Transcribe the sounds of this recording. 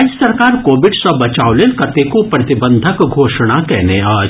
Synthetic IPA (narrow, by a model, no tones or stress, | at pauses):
d͡ʒsɐɾkaːɾkoːʋɪɖsɐbɐt͡ʃaːolelkɐt̪ekopɾɐt̪ɪbə̃nd̪ʱəkɡʱoːʃɽ̃akɛɦneaː